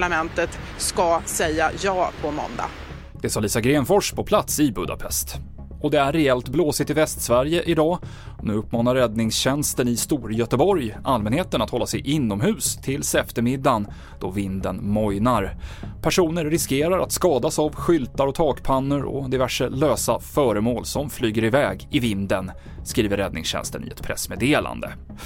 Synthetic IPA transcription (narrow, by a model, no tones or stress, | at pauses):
ɭamɛnt̪ət̪ | skasɛjːajɑːpʰɔmɔ̰nd̪a̰ | d̪̥ɛsɑːliːsaɡɾeːnfɔʂpʰɔpʰlat̪sɪbɵd̪a̰pʰɛ̰st̪ | ɔd̪ɛæɾːɛɛlt̪bloːsɪt̪ːɪvɛst̪svæɾjəʔɪd̪ɑː | nʉ̟ːɵpːmɑːnaɾːɛd̪nɪŋsɕɛnst̪ənɪst̪uːɾjœt̪əbɔɾjʔalmɛnheːt̪ənat̪hɔlːasɛ̰jʔɪnːɔmɦʉ̟ːst̪ʰɪlsɛft̪əɾmɪd̪ːan | d̪̥ɔvɪnd̪ənmɔjnaɾpʰæʂuːnəɾːɪskeːɾaɾʔa̰t̪skɑːd̪asavɧʏlt̪aɾɔt̪ʰɑːkpʰanːəɾɔ̰d̪ɪvæʂəløːsafœːɾəmoːlsɔmflyːɡəɾɪvɛːɡɪvɪnd̪ən | skɾiːvəɾɛd̪nɪ̰ŋsɕɛ̰nst̪ə̰nɪ̰ɛ̰t̪pʰɾɛ̰smeːd̪eːlʔa̰nd̪ə̰